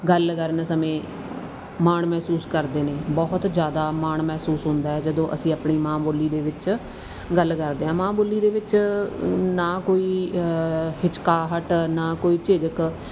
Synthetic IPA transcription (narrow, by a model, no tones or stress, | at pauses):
ɡəlkəɾnsəmẽː | maːɳmɛːsuːskəɾd̪eːneːbɔːɦt̪d͡ʒjaːd̪aːmaːɳmɛːsuːsɦʊ̃nd̪aːɛːd͡ʒəd̪õːʔəsĩːaːpɳiːmãːboliːd̪eːʋɪt͡ʃ | ɡəlkəɾd̪eːãːmãːbolːiːd̪eːʋɪt͡ʃ | naːkoːiː | hɪt͡ʃkaːɦəʈnaːkoːiːt͡ʃɪd͡ʒək